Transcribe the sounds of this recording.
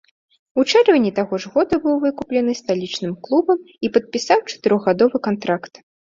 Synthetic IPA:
ut͡ʂɛrvɐnʲit̪aɣɔʐɣɔd̪ɐbɨwvɨkuplʲɛnɨst̪alʲit͡ʂnɨmklˠubɐm | ipɐt̪̚pʲisawt͡ʂɐ̥t̪ɨɾɔɣɣad̪ɔvɨkant̪ɾakt̪

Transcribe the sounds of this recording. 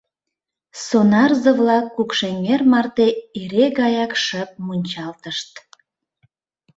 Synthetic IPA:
sonɑrzəvlɑkːukʃeŋermɑrt̪eeɾeɣɑjɑkʃəp̚munʲt͡ɕɑlt̪əʃt̪

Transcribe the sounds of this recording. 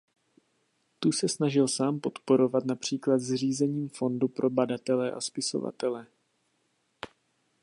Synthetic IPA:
t̪usɛsnaʒɪlsaːmpo̞t̪po̞ɾo̞vat̪napr̥iːklat̪zr̝iːzɛɲiːmfo̞ndupɾʔo̞badat̪ɛlɛʔa̰spɪso̞̰va̰t̪ɛlɛ

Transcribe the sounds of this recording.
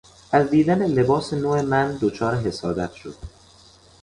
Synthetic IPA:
ʔæzd̪iːd̪ænele̞bɒːsenoːemænd̪ot͡ʃʰɒːɾeɦe̞sɒːd̪æt̪ʰʃod̪̥

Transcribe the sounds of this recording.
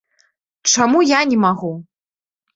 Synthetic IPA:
t͡ʂamujanʲɛmaɣu

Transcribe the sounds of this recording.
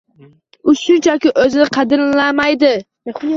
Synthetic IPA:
ʊʃʊnt͡ʃʰakʲɪʔɵzɪnɪqʰɑd̪ɪɾlamajd̪ɪ

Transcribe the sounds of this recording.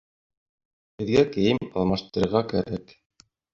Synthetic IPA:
hɘ̆ðɡækɘ̆jɘmɑ̰lˠmɑʃt̪ɤ̆ɾɤ̆ɾʁɑkæɾæk

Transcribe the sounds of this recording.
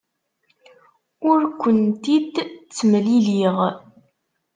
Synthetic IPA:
ʊɾkʷːənt̪id̪t͡sːəmliliʁ

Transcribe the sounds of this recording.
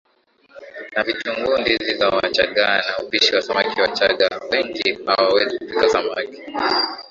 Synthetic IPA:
navituŋɡundizizawat͡ʃa̰ɠanaupiʃiwasamakiwat͡ʃaɠawɛŋɡiha̰awɛzikupikasamaki̥

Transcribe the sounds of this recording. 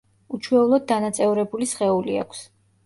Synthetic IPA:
ut͡ʃʰwɛulˠɔd̪̚dːanat̪sʼɛvuɾɛbulisχɛulia̰kʷʰs

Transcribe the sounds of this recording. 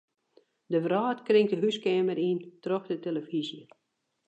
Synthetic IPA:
dəvraːtkrɪŋtdəɦyskeːməɾintrɔxdəteləfizjə

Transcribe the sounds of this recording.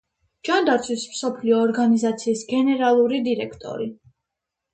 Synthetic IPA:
d͡ʒ̥and̪aɾt̪sʰwismsɔpʰliɔːɾɡanizat̪sʰiːsɡɛnɛɾalˠuɾid̪iɾɛkʰt̪ʼɔ̰ɾi

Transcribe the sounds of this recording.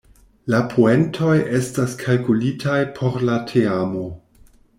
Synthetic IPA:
lapʰoe̞ntʰo̞je̞staskʰalkulitʰajpʰo̞ɾlatʰeamo̞

